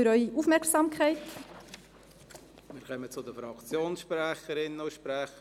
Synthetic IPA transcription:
yɾœʏiʔufmɛɾksɑːmkʰɛɪt | mɪːɾkœmət͡sʊd̪əfɾɑkt͡sjoːnsʃpɾɛχəɾɪnːəʊʃpɾæχə

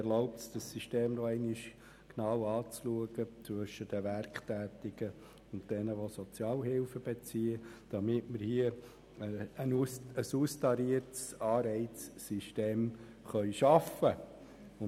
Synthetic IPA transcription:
ɛɾloʊp̚tsd̥ɑsiʃteːmdoɛɪnɪʃ | knɑwɑːt͡sluəɡət͡sʋɵʃəd̥əʋærkχtæːt̪ɪɡ̥ə | ʊnt̚d̥ɛnəʋosɔt͡sjɑːlɦɪlfəb̥et͡siːəd̥ɑmɪtməɾhiə | əənuəsustɑɾiəɾtsɑːɾɛɪt͡sːiʃteːm | χœʏʃɑfə | ʊ

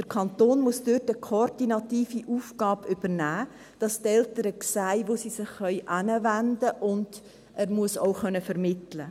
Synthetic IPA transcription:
d̥əɾkʰɑnt̪oːnmuəsd̥øtəkʰoɾdinɑtiːfiʔuːfɡ̥ɑːbʏb̥əɾnæː | d̥ɑstɛltəɾəksæɪʋosiːsɪχːœʏʔænəvændəʔʊnd̥ | ʔæːɾmuəsoʊχœnəfəɾmɪtlə

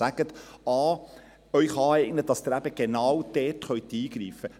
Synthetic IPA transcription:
æɡ̥ət̪ɑː | œʏχɑːɛɪɡnət̚dɑsd̥̪ɪɾæbəɡ̥enɑːwd̥ɛːtχœʏt̪iːɡ̥ɾiːfə

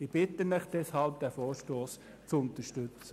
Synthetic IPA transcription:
ib̥ɪtənɛχd̪̥ɛshɑlp̚d̥̪æfoːɾʃtoːs | t͡sʊntəʃtʏt͡sə

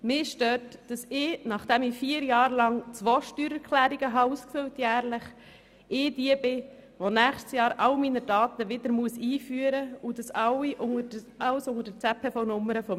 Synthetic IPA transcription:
mɪːʃtøːɾtd̥ɑsɪːnɑχd̥ɛmɪfiːəɾjɑːɾlɑŋt͡sʋoːʃtyːɾɛɾkʰlæːɾiɡ̥əɦɑuːskfʏltjæːɾlɪχ | ɪːdiəbɪ | ʋonæːχstsjɑːɾʔɑlminədɑːtəʋɪd̥̪əɾmuəsiːfyːəɾəud̥ɑsɑwiʔʊŋə | ɑwsʊŋəd̥ət͡sɛpʰefɔnʊmːəɾəfɔ

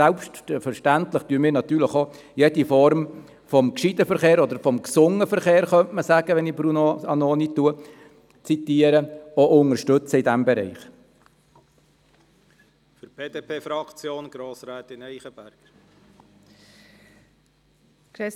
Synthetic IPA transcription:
ɛlpʃtfəɾʃtæntləχtyːəmiːɾnɑt̪yːɾləχo | jed̥ifɔɾm | fɔmkʃidəfəɾχeːɾɔd̪əɾfɔmksʊŋəfəɾχeːɾχœntməsæɡ̥əʋɛnibɾunoɑnoːnitːuə | t͡sit̪iːəɾəoʔʊŋəʃtɵt͡səɪdæmbɛɾɛ̰ɪχ | fyɾb̥eːd̥eːpʰeːfɾɑkt͡sjoːnɡ̥ɾoːsɾæːt̪ɪnɛɪχəbæɾɡ̥ | kɾe

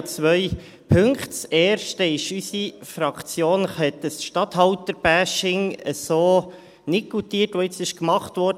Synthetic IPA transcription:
t͡sʋœj | pʰɵŋktsɛːɾʃtəɪʃysifɾɑkt͡sjoːnχɛt̪əsʃtɑt̪hɑwtəɾb̥æːʃɪŋəsoː | nɪkutiːətʋoɪt͡sɪʃkmɑχt̪ʋɔːɾd

